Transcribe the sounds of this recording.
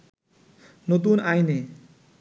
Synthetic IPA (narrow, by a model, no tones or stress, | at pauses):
not̪̬unajne